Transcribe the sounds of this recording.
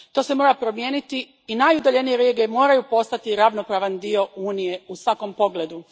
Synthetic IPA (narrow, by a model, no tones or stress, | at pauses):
t̪o̞ːse̞mo̞ːɾapɾo̞mje̞ːnit̪i | inajud̪aʎe̞nijeɾeːɡemo̞ːɾajupo̞st̪at̪iɾaʋno̞pɾaːʋand̪io̞uːnije̞usʋako̞mpo̞ɡled̪u